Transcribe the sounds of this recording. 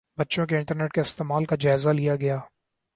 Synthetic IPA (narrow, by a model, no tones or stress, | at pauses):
bɐtːʃõkeɪ̃ɳʈəɾneːʈkaɪst̪eːmaːlkad͡ʒaːɪzalijaɡɐjaː